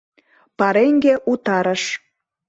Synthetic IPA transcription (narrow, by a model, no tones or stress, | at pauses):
pɑɾeŋɡeʔut̪ɑɾəʃ